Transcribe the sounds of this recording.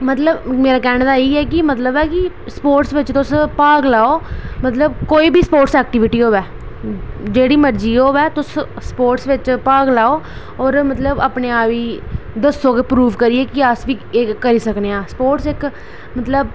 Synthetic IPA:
mət̪ləbmeːɾaːkɛːɽ̃d̪aːeiːɛːk̬ɪmət̪ləbɛːkɪ | spoːɾʈsʋɪt͡ʃt̪ʊspaːɡlaːoːmət̪ləb̚koːiːbʱiːspoːʈsɛːk̚ʈɪːʋɪʈiːɦoːʋɛː | d͡ʒeːɽiːməɾd͡ʒiːɦoːʋɛːt̪ʊs | spoːɾʈsʋɪt͡ʃpaːɡlaːoː | ɔːɾmət̪ləbəpneːaːʋiːd̪əsoːkepɾuːʋkəɾiːeːkɪəsʋiːeːkəɾiːsəkneːãːspoːʈsɪk | mət̪ləb

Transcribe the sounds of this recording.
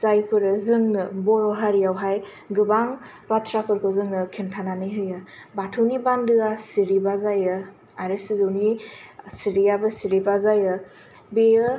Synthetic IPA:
zajpʰɯɾɯzɯŋnɯbɔɾɔɦaɾijawɦaj | ɡɯbaŋ | patʰɾapʰɯɾkʰozɯŋnɯkʰintʰananɯjɦɯjɯbatʰɯwnibandɯasiɾibazajɯ | aɾɯsizɯwnisiɾijabɯsiɾipazajɯ | beɯ

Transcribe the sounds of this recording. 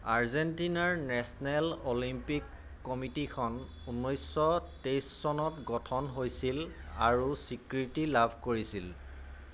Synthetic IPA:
aɹzentinaɹnɛsɔnɛlolimpikː | ɔmitikʰɔn | unːojsɔtejsːɔnɔtɡɔtʰɔnɦojsil | a̰ɹusikɹitilabʱkoɹisil

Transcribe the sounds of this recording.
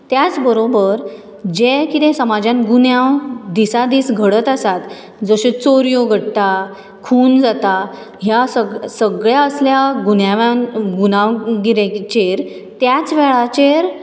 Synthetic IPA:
t̪jat͡sbəɾobəɾ | d͡ʑekit̪ẽsəmad͡ʑãnɡunjawd̪isad̪iːsɡʱəɽət̪asat̪ | d͡zəɕẽt͡soɾjoɡʱəɽt̪a | kʰuːnd͡zat̪a | ɦjasəsəɡɭjaəsljaɡunjaʋãnɡunaʋɡiɾet͡ɕeɾ | t̪jat͡sʋeɭat͡ɕeɾ

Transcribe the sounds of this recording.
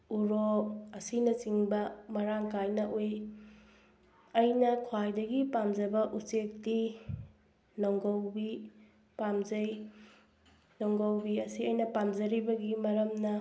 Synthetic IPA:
uɾoɐsinɐt͡ʃiŋbɐmɐɾaŋkajnɐʔoj | ɐjnɐkʰwajdɐɡipamzɐbɐʔut͡ʃek̚di | nɔwŋɡowbi | pamzɐj | nowŋɡowbiɐsiɐjnɐpamzɐɾibɐɡimɐɾɐmnɐ

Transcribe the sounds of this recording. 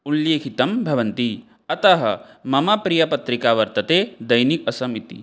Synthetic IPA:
uljeːkʰit̪ɐmbʱɐʋɐnt̪i | ɐt̪ɐɦɐ̰ | mɐmɐpɾijɐpɐt̪ɾikaːʋɐɾt̪ɐt̪eːd̪ɐjnik̚ɐsɐmit̪ḭ

